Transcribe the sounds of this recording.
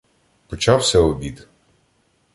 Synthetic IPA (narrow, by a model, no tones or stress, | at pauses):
pɔt͡ʃɑwsʲɐɔbʲid̪